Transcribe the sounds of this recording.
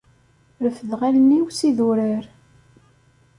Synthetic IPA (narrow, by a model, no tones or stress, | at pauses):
ɾəfəðʁalnːiwsiðuɾəɾ